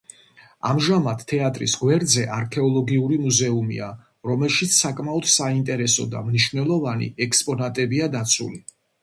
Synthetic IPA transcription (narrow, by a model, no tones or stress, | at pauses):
a̰mʒamat̪t̪ʰːɛat̪ʼɾḭsɡwɛɾd̪zɛʔaɾkʰɛɔlˠɔɡiuɾimuzɛumḭa | ɾɔmɛlˠʃit̪sːakʼmaɔd̪̥saint̪ʼɛɾɛsɔ̰d̪a̰mniʃvnɛlˠɔvanḭɛkspʼɔnat̪ʼɛbiad̪at̪sʰṵli